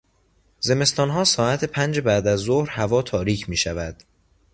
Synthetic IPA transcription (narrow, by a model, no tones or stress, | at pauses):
ze̞me̞st̪ɒːnɦɒːsɒːæt̪ʰepʰænd͡ʒebæd̪æzːohɾhævɒːt̪ʰɒːɾiːcʰmiːʃævæd̪̥